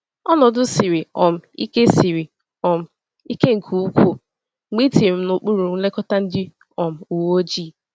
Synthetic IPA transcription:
ɔ˦nɔ˨dʊ˦si˨ɾi˨ɔ˨m̩˨ḭ˦ke˦si˨ɾi˨ | ɔ˨m̩˨ | i˦ke˦ŋ̩˨kʰu˨u˦kʷo˨ | ŋ͡mi˦ti˨m̩˦nʊ˨k͡pu˦ɾu˨n̩˦le˦kɔ˦ta˦n̩˦dɪ˦ | ɔ˨m̩˨u˨wo˦d͡ʒiː˦˨

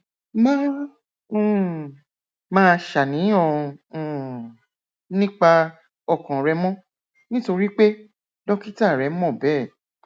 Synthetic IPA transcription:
mã˦˨ | mãː˦ʃa˨nĩ˨˦ɔ̃˧˨ | nĩ˦k͡pa˧ | ɔ˦˨kɔ̃˨ɾɛ˧mɔ̃˦ | nĩ˦to˧ɾi˦k͡pe˦ | dɔ˦ki˦ta˦˨ɾɛ˨˦m̩˦mɔ̃˦˨bɛ˦˨

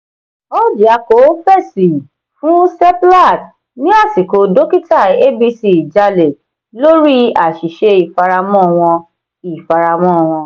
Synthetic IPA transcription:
ɔ˦d͡ʒa˨˧ko˨˦fɛ˦˨si˨ | fũ˦sɛ˦pla˦˨t | nĩ˦a˦˨si˨ko˨do˦ki˦ta˦˨e˦bi˧si˧˨d͡ʒa˧le˨ | lo˦ɾi˦a˨ʃi˨ʃe˧i˨fa˧ɾa˧mɔ̃˦˨w̃ɔ̃˧ | i˨fa˧ɾa˧mɔ̃˦˨w̃ɔ̃˧

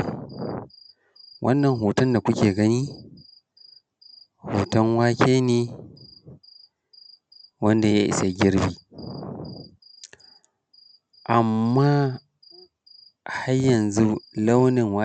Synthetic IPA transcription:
wʔɐ˦nːɐ˨ŋɦuː˨tɐ˦nda˨kʷʊ˦kʲeː˨ɡɐ˦ni˦ | huː˨tɐ˦ŋwaː˦kʲeː˦neː˦ | wɐ˦nda˨jaː˦ʔɪ̰˨sa˨ɡʲɪ˦ɾbiː˨ | ʔa˨mːaː˦ | ha˦jɐ˨nzu˦lɐ˦wnɪ˨ŋwa˦

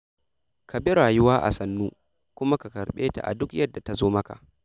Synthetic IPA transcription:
kʰa˨be˦ɾaː˨jʊ˦waː˦ʔa̰˨sɐ˨nːuː˦ | kʷʊ˦ma˦ka˨kɐ˨ɾɓeː˦ta̰˨ʔa̰˨dʊ˦kjɐ˦dːa˨ta˨zoː˦mɐ˦ka̰˨ʔ

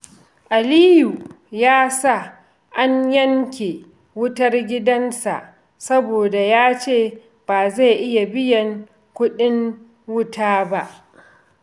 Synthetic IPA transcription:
ʔa˨liː˦ju˨ | jaː˦sa˦˨ | ʔa˦ɲjɐ˦ŋkʲe˨ | wʊ˦tɐ˦rɡʲɪ˦dɐ˦nsa̰˨ʔ | sɐ˦boː˨da˨jaː˦t͡ʃeː˦˨ | b̥aː˨za˦˨jʔɪ˦ja˨bɪ˦jɐ˨ŋ | kʷʊ˦ɗɪ˦ŋ | wʊ˦tʰaː˦ba˦ʔ

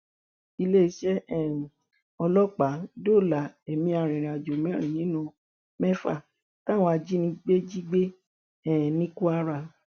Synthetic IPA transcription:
i˧le˦i˧˦ʃɛ˦ɛ˦˨ | ɔ˧lɔ˦k͡pa˨˦do˦˨la˨˦e˨mĩ˧a˨ɾ̃ĩ˨ɾ̃ĩ˨a˨d͡ʒo˨mɛ̃˨˦ɾ̃ĩ˨nĩ˨˦nũ˧ | mɛ˦fa̰˦˨ | ta˦w̃ɔ̃˧a˧d͡ʒi˦nĩ˧ɡ͡be˦d͡ʒi˦ɡ͡be˦ | ɛ˦˨nĩ˦ku˦a˧ɾa˧˨

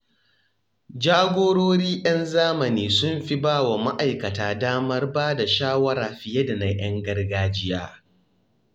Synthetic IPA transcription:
d͡ʒaː˦ɡʷoː˦ɽoː˦ɽiː˦ʔɐ˦nzaː˦mɐ˨niː˨sʊ˦mɸi˦baː˦˨wa˨ma˦ʔa˨jkɐ˨taː˨daː˦mɐ˦rbaː˦da˨ʃaː˦wɐ˦ɽaː˨ɸɪ˨jɛ˦da˨na˨jʔɐ˦ŋɡɐ˦rɡaː˦d͡ʒɪ˦jaː˦

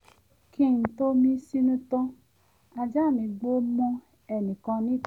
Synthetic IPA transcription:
kĩ˦˨n̩˨to˦mĩ˦si˦nũ˦tɔ˦ | a˨d͡ʒa˦˨nĩ˨ɡ͡bo˦mo˧ | ɛ˨nĩ˨kɔ̃˧nĩ˦

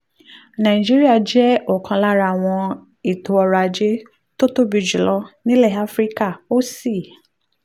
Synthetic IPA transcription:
nã˨ĩ˨d͡ʒi˦ɾi˦a˦˨d͡ʒɛ˦o˦˨kʰã˧la˦ɾa˧˨w̃ɔ̃˧ | i˨to˨˧ɔ˧ɾa˧˨d͡ʒe˦ | to˦to˦bi˧˨d͡ʒu˨lɔ˧˦nĩ˦lɛ˦˨a˦fɾi˦ka˦˨o˦si˦˨

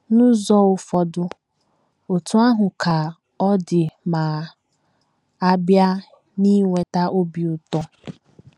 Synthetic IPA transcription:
nʊ̃˦zɔ˦wʊ˨fɔ˨dʊ˦ | o˨tu˦a˦ɦʊ̃˨kʰa˨ | ɔ˦dɪ˨maː˨ | a˦bja˦ | ni˦ŋʷe˨ta˦ʔo˦bi˨ʊ˨tɔ˦

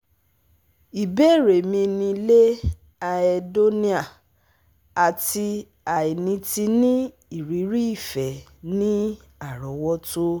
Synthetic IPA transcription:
i˨be˦˨ɾe˨mĩ˧nĩ˧le˦ | a˧ɛ˧do˦nĩ˦a˨ | a˨ti˧ | a˨e˨nĩ˧ti˧nĩ˦ | i˨ɾi˨˦ɾi˦i˦˨fɛ˨ | nĩ˦ | a˦˨ɾɔ˨˦wɔ˦to˦

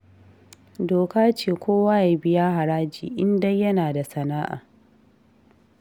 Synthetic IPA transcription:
doː˨kaː˦t͡ʃeː˨kʷoː˦waː˦ja˨˦bɪ˦jaː˦ɦa˨ɾaː˦d͡ʒḭː˨ʔɪ˦ndɐ˦jjːɐ˦naː˨da˨sɐ˨naː˦ʔa̰ː˨

